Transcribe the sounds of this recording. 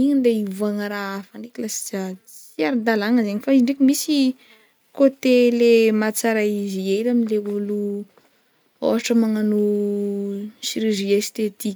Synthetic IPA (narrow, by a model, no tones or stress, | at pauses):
iɲind̪eivaŋəɾaafaɳɖ͡ʐekilasi̥z̥at͡s | iaɾid̪alaŋəzeɲifaizɳɖ͡ʐekimisi | kot̪elemat͡saɾaizielamileulu | o̰ɦaʈ͡ʂəmaŋanu | siɾiɾiest̪et̪ik